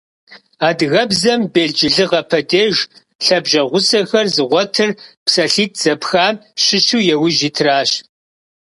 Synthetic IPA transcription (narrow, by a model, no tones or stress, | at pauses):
aːdɣɐbzɐmbeːɮd͡ʒɪɮɨʁɐpʰɐdeːʒ | ɬɐbʒɐʁʷʊsɐxɐrzɨʁʷɔtʰɨrpsɐɬiːt̚ʰz̥ɐpxaːmɕɪɕuːjɛwɪʒiːtʰraːɕ